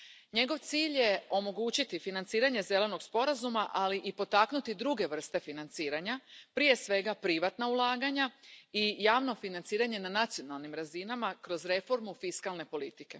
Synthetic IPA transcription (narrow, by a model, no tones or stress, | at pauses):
ɲe̞ɡo̞ʋt̪siːʎje̞o̞mo̞ɡuːt͡ɕit̪ifinant̪siːɾaɲe̞ze̞le̞no̞ɡspo̞ɾazumaʔaliʔipo̞t̪aknut̪id̪ɾuɡe̞ʋr̩st̪e̞finant̪siːɾaɲapɾije̞sʋe̞ɡapɾiʋat̪naulˠaːɡaɲaijaːʋno̞finant̪siːɾaɲe̞nanat̪sijo̞nalˠnimɾazinamakɾo̞zɾe̞fo̞ɾmufiskalne̞po̞lit̪ike̞